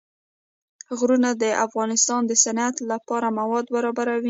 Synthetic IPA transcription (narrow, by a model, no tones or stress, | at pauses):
ɣɾunad̪əʔafɣɑnɪst̪ɑnd̪əsanat̪lapɑɾamawɑd̪baɾɑbaɾawi